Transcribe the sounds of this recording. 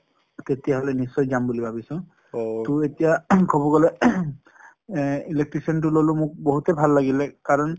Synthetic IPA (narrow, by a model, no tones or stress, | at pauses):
tetijaɦɔlɛnisːɔjzambulibʱabisɔ̃ | tʊetijakʰɔbɔɡɔlɛ | ilek̚ʈɹisɔnt̬ʊlolʊmʊk̚bɔɦutɛbʱalːaɡilɛkaɹɔn